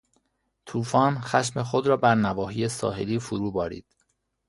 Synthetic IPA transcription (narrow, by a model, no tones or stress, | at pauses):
t̪ʰuːfɒːnxæʃmexod̪ɾɒːbæɾnævɒːɦiːjesɒ̰ːɦeliːfuɾuːbɒːɾḭːd̪̥